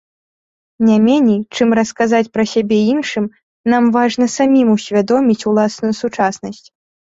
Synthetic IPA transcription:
nʲamʲɛnʲejt͡ʂɨmrɐskazat͡sʲpɾɐsʲabʲɛinʂɨm | namvaʐnɐsamʲimusʲvʲad̪ɔmʲit͡sʲulˠasnujusut͡ʂasnɐsʲt͡sʲ

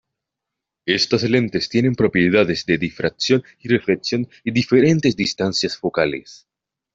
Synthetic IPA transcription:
e̞st̪asle̞nt̪e̞st̪je̞nẽ̞mpɾo̞pjeðaðezd̪e̞ðifɾʔaksjo̞n | irefleksjo̞n | iðife̞ɾe̞nt̪e̞zd̪ist̪ansjasfo̞kalḛs

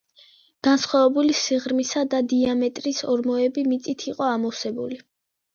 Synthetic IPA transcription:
ɡ̥ansχwavɛbulisiʁɾmisad̪ad̪iamɛt̪ʼɾisɔɾmɔɛbimit̪sʼit̪ʰiqʼɔamɔsɛbuli

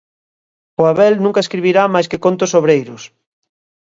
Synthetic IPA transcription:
oaβɛlnũŋkaeskɾiβiɾamajskɪkont̪ʊsoβɾejɾʊs

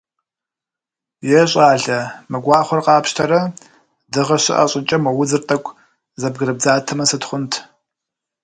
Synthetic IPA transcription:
jɛɕʼaːɮɐmɨɡʷɑːχʷɔrqɑːpʃtʰɐɾɐ | dɨʁɐɕɪ̰ʔɐ̰ɕʼɪt͡ʃʼɐmɐwʊzɨrtʼɐkʷʰʼ | zɐb̚ɡɨɾɨb̚d͡zaːtʰɐmɐsɨtχʷʊntʰ

